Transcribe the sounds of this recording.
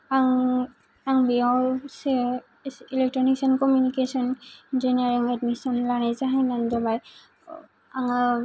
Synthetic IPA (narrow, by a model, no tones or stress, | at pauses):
aŋ | aŋbiɔs | ilɛk̚tɹɔniksɔnkɔmjunikesɔnd͡ʒiniaɹiŋɛdmisɔnlanazaɦananzabaj | aŋa